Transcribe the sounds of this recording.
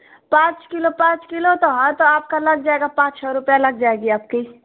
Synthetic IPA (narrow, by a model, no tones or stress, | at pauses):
pãːt͡ʃkɪlopãːt͡ʃkɪlot̪oɦət̪oaːp̚kalɐɡd͡ʒaːeɡapãːt͡ʃt͡ʃʰɛɾʊpjalɐɡ̚d͡ʒaːeɡiaːp̚ki